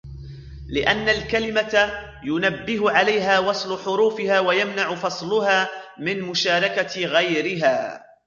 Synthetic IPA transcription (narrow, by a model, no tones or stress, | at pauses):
lɪʔanːalkalɪmat̪ | jʊnabːɪɦʊʕalajɦaːwɑsˤlʊħʊɾuːfɪhaːwajamnaʕʊfɑsˤlʊhaːmɪnmʊʃaːɾˤɑkaɣajɾɪɦaː